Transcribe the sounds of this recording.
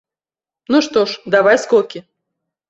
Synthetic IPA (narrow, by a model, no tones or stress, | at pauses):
nuʂt̪ɔʂd̪avajskɔkʲɪ